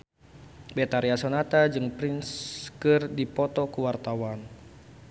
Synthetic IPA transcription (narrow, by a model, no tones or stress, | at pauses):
bɛt̪aɾiasɔnat̪ad͡ʒɨŋpɾinskɨrdipɔt̪ɔkuwart̪awan